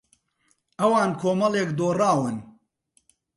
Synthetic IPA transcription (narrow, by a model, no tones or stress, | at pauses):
ʔɐwaːnkʰoːmɐleːk̚d̪oːraːwɨn